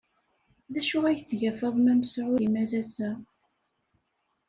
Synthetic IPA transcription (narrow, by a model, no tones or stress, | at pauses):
ðæʃʊʁæjθʝæfəðˤmæməsʕʊimæɾæsæ